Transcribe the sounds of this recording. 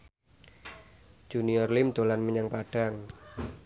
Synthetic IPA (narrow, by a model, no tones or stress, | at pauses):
d͡ʒ̥uniɔrlɪmd̪olanməɲaŋpaɖ̥aŋ